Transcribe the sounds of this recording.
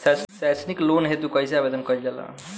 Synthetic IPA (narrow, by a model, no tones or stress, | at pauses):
sassasniklonɦet̪ukəiseabed̪ənkəild͡ʒala̰